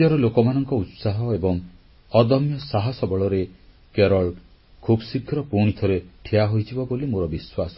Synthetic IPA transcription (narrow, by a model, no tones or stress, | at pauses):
ɔɾɔlokɔmanɔŋkɔut̪saɦɔebɔŋ | ɔd̪ɔmjɔsaɦɔsɔbɔɭɔɾe | keɾɔɭ | kʰubsikʰːɾɔpuɽ̃it̪ʰɔɾeʈʰijaɦojd͡ʒʰibɔbolimoɾɔbiswasɔ̥